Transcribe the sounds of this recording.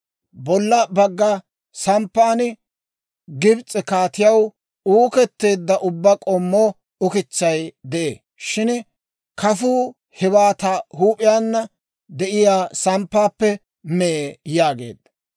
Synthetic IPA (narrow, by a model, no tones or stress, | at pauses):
bɔlːɐbɐɡːɐ | sɐmpːaːnɪ | ɡɪbt͡sʼɪkaːt̪ɪjɐw | uːkɛt̪ːe̞ːd̪ːɐʔʊbːɐkʼɔmːoː | ʊkɪt͡ʃːɐjd̪ɛʔḛː | ʃɪn | kʰɐfuː | hɪβaːt̪ahuːpʼɪjaːnːɐ | d̪ɛʔɪjaːsɐmpːaːpːɛ | mɛjaːɡḛːd̪ːɐ